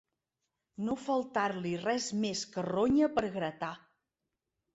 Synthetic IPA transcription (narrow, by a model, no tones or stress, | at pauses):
nofəlˠt̪aɾlirɛzmeskəroɲəpəɾɣɾət̪a